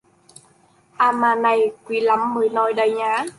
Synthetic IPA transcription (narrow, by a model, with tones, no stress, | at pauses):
ʔaː˧maː˧na˨˩jkwi˨˦la˨˦mːɨː˨˩jnɔ˨˦jɗə˨˩jɲaː˨˦